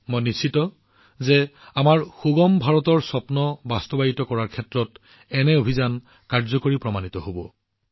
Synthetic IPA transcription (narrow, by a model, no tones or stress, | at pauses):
mojnisitɔ | zɛ | amaɹxuɡɔmbʱaɹɔtɔɹsɔpnɔbastɔbajitɔkɔɹaɹkʰɛtɹɔt | ɛnɛobʱizan | kaɹzɔkoɹipɹɔmanitɔɦobɔ